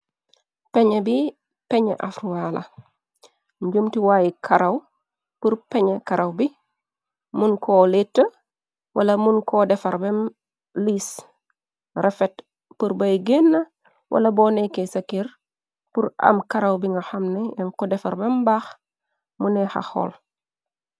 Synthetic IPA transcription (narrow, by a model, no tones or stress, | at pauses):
pɛɲebi | pɛɲḛʔafɾwaːlɐ̰ | ɲɟumtiwaːjikʰɐɾɐw | puɾpɛɲekaɾɐwbi | munkʰoletːə | wʔɐ̰lɐmunkodɛfɐɾbem | liːs | refet | puɾbɐjɡenːɐ | wʔɐ̰lɐbɔːnekesɐkiɾ | puɾa̰mkaɾɐwbiŋɡaxɐmneɛŋkɔdɛfaɾbembax | munɛxa̰xo̰ːl